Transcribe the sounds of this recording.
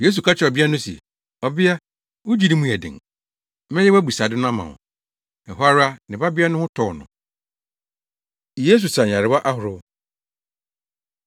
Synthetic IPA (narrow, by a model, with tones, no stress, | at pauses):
je˦s̬u˨kʰa˦t͡ɕʰɪ˨ɔ˨bɪ˦a˦nʊ̃˦sḛ˨ | ɔ˨bɪ˦a˦ | wʊ˦d͡ʑi˦nĩ˦mũ˦æ˨dɪ̰̃˨ŋ | mɛ̃˦jɛ˦wæ˦bu˨sa˨dɪ˦nʊ̃˦a˦mã̰˨ʊ̰̃˨ | ɛ˨ɦʊ˦a˦ɾa˦nɪ̃˨ba˦bɪ˦a˦nʊ̃˦hʊ̃˦tʰɔ˨nʊ̰̃˨ | je˦s̬u˨sa˨ɲ˨ã˨ɾɪ˨ba˦ʔa˦hʊ˨ɾʊ˦